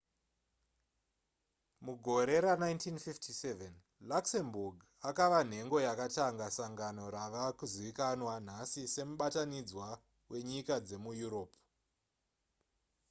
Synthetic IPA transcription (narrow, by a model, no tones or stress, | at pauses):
muɡʱo̞ɾe̞ɾanaintinfiftʰiseven | laksemburɡ | akaʋan̤e̞ŋɡo̞jakataŋɡasaŋɡano̞ɾaʋakuziikanwan̤asise̞muɓatanid͡zwa | we̞ɲikad͡ze̞mujuɾo̞ːp